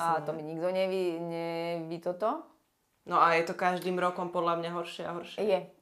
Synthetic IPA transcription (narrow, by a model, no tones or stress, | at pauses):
at̪ɔmiɲiɡd̪ɔɲɛʋiɲɛʋit̪ɔt̪ɔ | nɔajɛt̪ɔkaʒd̪iːmɾɔkɔmpɔd̪lamɲaɦɔɾʃɪɛaɦɔɾʃɛjjɛ